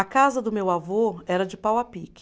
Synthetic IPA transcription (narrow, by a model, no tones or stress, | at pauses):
ɐkazɐd̪ʊmewavoɛɾɐd͡ʒɪpawapik